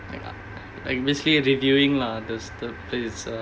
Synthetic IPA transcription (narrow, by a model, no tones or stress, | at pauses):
la̰ɪka̰ | la̰kɔbiəsliɾivjuɪ̃ŋladəstəples